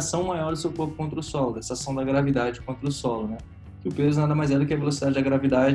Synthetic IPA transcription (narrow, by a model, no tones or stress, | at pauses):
sɐ̃w̃majɔɾd̪ʊsewkoɾkʊkõnt̪ɾɐʊsɔlʊd̪ɛsɐasɐ̃w̃d̪ɐɡɾavid̪ad͡ʒɪkõnt̪ɾɐʊsɔlʊnɛ | kɪʊpezʊnad̪ɐmajzɛd̪ʊkɪɐvelos̬id̪ad͡ʒɪd̪ɐɡɾavid̪ad͡ʒ